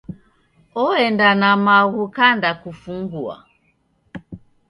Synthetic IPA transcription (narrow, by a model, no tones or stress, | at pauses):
ɔɛndanamaɣukandakufuŋɡua̰